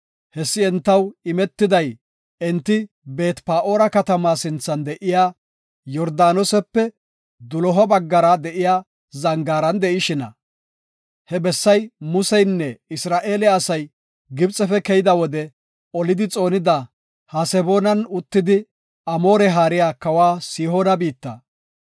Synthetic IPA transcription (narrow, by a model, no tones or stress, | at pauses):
hɛsːɪɛnt̪ːɐwɪmɛt̪ːɪd̪ɐj | ɛnt̪ːɪ | be̞ːt̪paːʔo̞ːɾɐkɐt̪ɐmaːsɪnt͡sːɐnd̪ɛʔɪjaː | jɔɾd̪aːnɔsɛpːɛ | d̪ʊlɔɦɔbɐɡːɐɾɐd̪ɛʔɪjaː | zɐŋɡaːɾɐnd̪ɛʔɪʃɪnɐ̰ | hɛbɛsːɐjmʊsɛjnːɛɪsɾaːʔe̞ːlɛɐsɐj | ɡɪbt͡sʼɛfɛkɛjɪd̪ɐwɔd̪ɛ | ɔlɪd̪ɪt͡sʼo̞ːnɪd̪a | hɐsɛbo̞ːnɐnʊt̪ːɪd̪ɪ | ɐmo̞ːɾɛɦaːɾɪjaːkɐwaːsiːɦoːnɐbiːt̪ːɐ̰